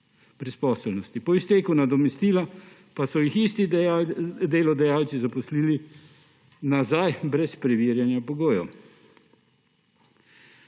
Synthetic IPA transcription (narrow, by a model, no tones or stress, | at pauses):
b̥ɾɛspɔːsɛlnɔst̪ipɔist̪eːkunad̪ɔmɛst̪iːla | pasɔjixist̪i | d̪eːlɔd̪ɛjaːlt̪sizapɔsliːli | nazajbɾɛspɾɛʋiːɾjanjapɔɡoːjɔ